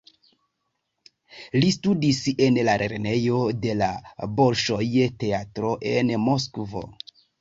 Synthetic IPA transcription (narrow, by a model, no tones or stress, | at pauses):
listudise̞nlaɾʔeɾene̞jo̞de̞labo̞ɾʃo̞jte̞atɾo̞ʔe̞nmo̞skvo̞̰